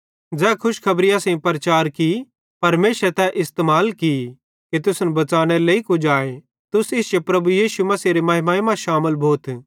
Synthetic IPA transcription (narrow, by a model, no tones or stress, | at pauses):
d͡zɛːkʰʊʃkʰɐbɾɪjãsẽĩpɐɾɐt͡ʃaːɾki | pɐɾmeːʃɾt̪ɛʔɪst̪eːmaːlki | ket̪ʊsnbɐt͡ʃaːɽ̃eleikʊd͡ʒaːe | t̪ʊsɪsd͡ʒopɾɐbujiːʃumɐsiɾemɐɦɪmɐɪmãʃaːməlbʱoːt̪ʰ